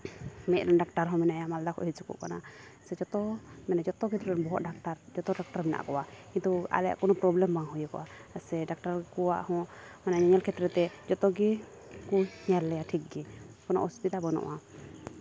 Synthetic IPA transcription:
mɛʔɾanɖakʈaɾɦɔ̃mɛnaʔjamald̪akʰɔ̰ʔɦit͡ʃukṵʔkanasɛd͡ʒɔt̪ɔmɛnad͡ʒɔt̪ɔkit̪ɾɔnbɔɦɔt̪̚ɖak̚ʈaɾd͡ʒɔt̪ɔɖak̚ʈaɾmɛna̰ʔkɔʔakkint̪ua̰lɛja̰ʔkɔnɔpɾɔblɛmbaŋɦujukɔ̰ʔasɛɖak̚ʈaɾkuwa̰ʔhɔ̃manaɲaɲɛlkʰɛt̪ɾɛt̪ɛd͡ʒɔt̪ɔɡi | kuhɲalːɛjaʈʰik̚ɡikɔnɔ̰ʔuspit̪abənɔ̰ʔa

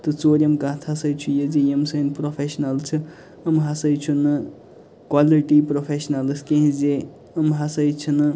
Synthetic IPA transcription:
t̪ɨt͡soɾəmkaːt̪ʰasəjt͡ʃʰujed͡zejemsənpɾopʰesnalt͡ʃʰɨ | əmɦasəjt͡ʃʰunɨ | kwaliʈipɾopʰesnalskeɦĩd͡ze | əmɦasəjt͡ʃʰunɨ

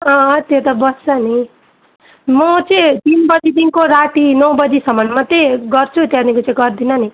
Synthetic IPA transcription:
ʌ̃t̪jot̪ʌbʌst͡sʌni | mʌt͡sʌĩt̪inbʌd͡zid̪inkoɾaʈinʌwbʌd͡zisʌmʌnmʌt̪eɡʌrt͡sʰut̪janikot͡saĩɡʌrd̪inʌni

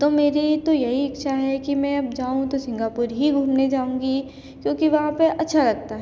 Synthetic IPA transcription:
t̪oːmeːɾit̪ojɐɦiɐkʃʰaɦɛkimɛ̃ɐbd͡ʒaːũt̪osɪ̃ŋɡaːpʊɾɦiɡʱuːmned͡ʒaːũːŋɡi | kjõːkiʋɐɦãpeʔɐtːʃʰalɐɡ̚t̪aɦɛ

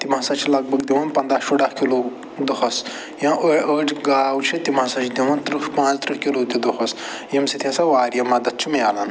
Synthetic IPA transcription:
t̪imãːsɐt͡ʃʰilɐɡ̚bɐɡd̪iʋɐnpɐnd̪ɾaːʃuɖahkiloː | d̪ɐɦɐs | jãːʔəəːʈʰɡaːwt͡ʃʰit̪imãsɐ̃t͡ʃʰd̪iʋɐnt̪ɾuʃpãːt͡st̪ɾiɦkiloːt̪ʲid̪ɐɦɐs | jɐmsit̪ʰʲãsaʋaːɾjɐmɐd̪ɐt̪̚t͡ʃʰumjaːlɐn

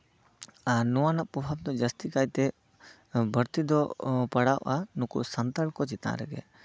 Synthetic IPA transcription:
anɔwanaʔpɾɔbʱab̚d̪ɔd͡ʒəst̪ikajt̪ɛ | bʱəɾt̪id̪ɔpəɽawʔanukṵʔsənt̪əɽkɔt͡ʃit̪ã̰ɾɛ̰ɡɛ̰

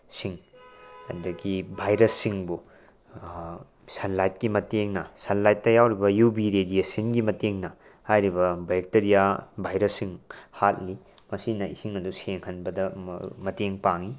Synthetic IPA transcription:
siŋɐ̰dɐɡibʱajɾɐsːiŋbu | sɐnlajt̚kimɐteŋnɐsɐnlajtːɐjawɾibɐjubiɾedijesinɡimɐteŋnɐ | hajɾibɐbek̚teɾijabʱajɾɐsːiŋhat̚li | mɐsinɐḭsiŋɐduseŋhɐnbɐdɐmɐteŋpaŋi

